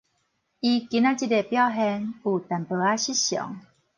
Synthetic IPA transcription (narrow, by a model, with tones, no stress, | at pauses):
i˧ki˧˦na˦˧t͡ɕi˥˧te˨˩pja˥˨ʊɦɛ˧nu˨˩t̪a˨˩npə˨a˦ɕi˦ɕjɔ̰˨˩˦ŋ